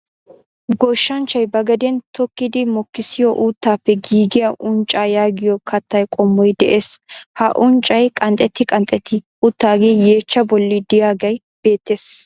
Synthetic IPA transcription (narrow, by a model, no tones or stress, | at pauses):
ɡɔʃːɐnt͡ʃːɐjbɐɡɐd̪ɛnt̪ɔkːɪd̪ɪmɔkːɪsɪjɔʔuːt̪ːaːpːɛɡiːɡɪjɐʔʊnt͡ʃʼaːjaːɡɪjɔkʰɐt̪ːɐjkʼɔmːɔjd̪ɛʔeːshɐʔʊnt͡ʃʼːɐjkʼɐnt̪ʼɛt̪ːɪkʼɐnt̪ʼɛt̪ʰːɪ | ʊt̪ːaːɡeje̞ːt͡ʃːɐbɔlːɪd̪ɪjaːɡɐj | b̥e̞ːt̪ːeːs